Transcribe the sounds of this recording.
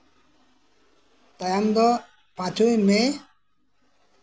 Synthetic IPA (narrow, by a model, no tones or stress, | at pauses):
t̪ajamd̪ɔ | pãt͡ʃʰujme